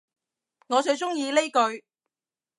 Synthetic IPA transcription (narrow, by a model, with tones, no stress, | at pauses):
ŋɔː˨˧t͡ʃɵ˧ɥt͡sʊ˥ŋjiː˧le˥jkɵ˧ɥ